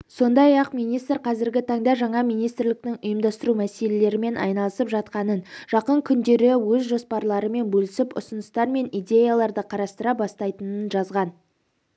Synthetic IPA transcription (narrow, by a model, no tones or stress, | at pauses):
so̞nd̪ɑjɑqmijnijst̪rqʰɑzɪɾɡʲɪt̪ʰɑɴd̪ɑʒɑɴɑmijnijst̪ɾlɪk̚t̪ɪŋʊjəmd̪ɑst̪əɾumæse̞le̞le̞ɾɪme̞nʔɑ̰jnɑlˠəsəpʒɑt̪qɑnənʒ̥ɑqəŋkʲʰʏnd̪e̞ɾɪwɵzʒo̞spɑɾlˠɑɾəme̞nbɵlɪsɪpʊ̰sənəst̪ɑɾme̞nijd̪ʲe̞jalˠɑɾd̪əqʰɑɾɑst̪əɾɑbɑst̪ɑjt̪ənənʒɑzʁɑn